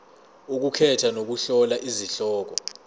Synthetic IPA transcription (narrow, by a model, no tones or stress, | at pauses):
uk̬ukʰɛtʰanok̬uɬɔlaʔiziɬɔːk̬ɔ